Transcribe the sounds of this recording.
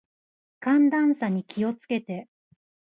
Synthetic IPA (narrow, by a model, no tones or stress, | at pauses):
kãnd̪ãɰ̃saɲ̟ikʲio̞t͡sɨ̥ke̞t̪e̞